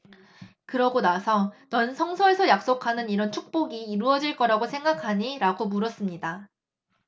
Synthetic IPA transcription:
kɯɾʌɡonasʰʌnʌnsʰʌŋsʰʌe̞sʰʌjak̚s͈okʰanɯniɾʌnt͡ɕʰuk̚p͈oɡiːɾuʌd͡ʑiɭk͈ʌɾaɡosʰe̞ŋɡakʰaɲiɾaɡomuɾʌs͈ɯmɲida

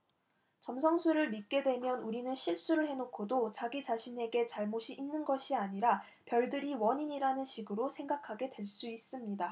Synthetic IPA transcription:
t͡ɕʌmsʰʌŋsʰuɾɯɭmit̚k͈e̞dwe̞mjʌnuɾinɯnɕʰiɭs͈uɾɯɭhe̞nokʰodot͡ɕaɡit͡ɕaɕʰine̞ɡe̞t͡ɕaɭmoɕʰiʔːnːɯnɡʌɕʰiaɲiɾa | pjʌɭdɯɾiwʌɲiɲiɾanɯnɕʰiɡɯɾosʰe̞ŋɡakʰaɡe̞dwe̞ɭs͈uis͈ɯmɲida

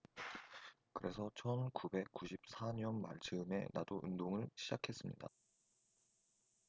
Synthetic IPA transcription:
kɯɾe̞sʰʌt͡ɕʰʌnkube̞k̚k͈ːuɕʰip̚s͈ʰaɲʌnma̰ɭt͡ɕʰɯme̞̰na̰doʔɯndoŋɯɭɕʰid͡ʑakʰe̞s͈ɯmɲḭda̰

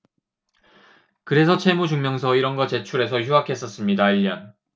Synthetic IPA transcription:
kɯɾe̞sʰʌt͡ɕʰe̞mud͡ʑuŋmjʌŋsʰʌiɾʌnɡʌt͡ɕe̞t͡ɕʰuɾe̞sʰʌçjuɦakʰe̞s͈ʌs͈ɯmɲidaiʎːjʌn

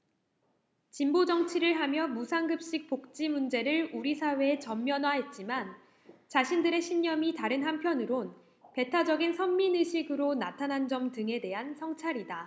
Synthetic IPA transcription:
t͡ɕimbod͡ʑʌŋt͡ɕʰiɾɯɭɦamjʌmusʰaŋɡɯp̚ɕ͈ik̚p͈ok̚t͡ɕ͈imund͡ʑe̞ɾɯɭuɾisʰawe̞ːt͡ɕʌmːjʌnwaɦe̞t̚t͡ɕ͈iman | t͡ɕaɕʰindɯɾe̞ɕʰiɲɲʌmitaɾɯnɦampʰjʌnɯɾon | pe̞tʰad͡ʑʌɡinsʰʌmːinɯɕʰiɡɯɾonatʰanɦand͡ʑʌmtɯŋe̞de̞ɦansʰʌŋt͡ɕʰaɾida

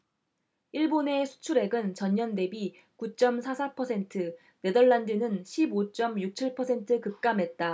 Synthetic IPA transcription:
iɭbone̞sʰu̥t͡ɕʰuɾe̞ɡɯnt͡ɕʌɲːʌnde̞bi | kut͡ɕ͈ʌmsʰasʰapʰʌsʰe̞ntʰɯ | ne̞dʌɭːandɯnɯnɕʰibot͡ɕ͈ʌmjuk̚t͡ɕʰiɭpʰʌsʰe̞ntʰɯkɯk̚k͈amɦe̞t̚t͈a

